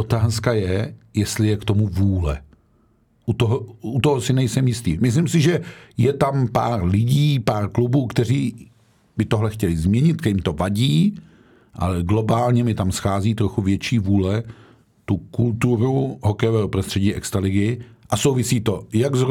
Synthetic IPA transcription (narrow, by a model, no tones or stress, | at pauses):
ot̪aːskajɛjɛst̪lɪjɛkt̪o̞muvuːlɛ̰ | ʔut̪oɦout̪oɦosɪnɛjsɛmjɪst̪ḭːmɪs̬limsɪʒɛjɛt̪ampa̰ːɾlɪɟiːpaːɾklubuːkt̪ɛr̝iː | bɪt̪o̞ɦlɛxcɛlɪzmɲɛɲɪt̪̚kɛɪmt̪o̞vaɟiː | ʔa̰lɛɡlo̞baːlɲɛmɪt̪amsxaːziːt̪ɾo̞xuvjɛt͡ʃiːvuːlɛ | t̪ukult̪uɾuɦo̞kɛjovɛːɦopɾost̪r̥ɛɟiːʔɛkst̪ɾalɪɡɪʔasowvɪsiːt̪o̞jaɡz